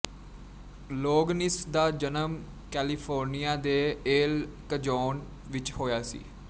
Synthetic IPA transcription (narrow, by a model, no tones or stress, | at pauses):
loːɡnɪsd̪aːd͡ʒənəm | kɛːlɪpʰoːɾnijaːd̪eːeːlkəd͡ʒoːn | ʋɪt͡ʃhoːjaːsḭː